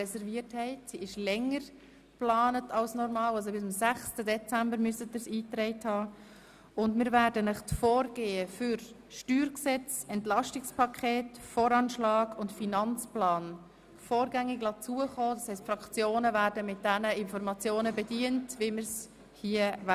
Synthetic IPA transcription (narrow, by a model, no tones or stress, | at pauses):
ɛsɛɾviəthɛɪtsiɪʃlɛŋːəɾ | plɑːnətɑlsnɔɾmɑːlɑls̬obɪsmsæχstədɛt͡sæmbəɾmysətːəsiːtɾɛɪthɑː | ʊndmɪːɾvæːɾdənəχtfoːɾɡ̥eːəfʏɾ | ʃtyːɾksɛt͡sɛntlɑʃtɪkspʰɑkʰeːtfoːɾɑnʃlɑːɡʊntfinɑnt͡splɑːn | foːɾɡæŋːɪɡlɑt͡suəχɔːdɑshɛɪstfɾɑkt͡sjoːnəvæːɾdəmɪt̚dɛnəɪnfɔɾmɑt͡sjoːnəbɛdiəntviməɾs | hiəv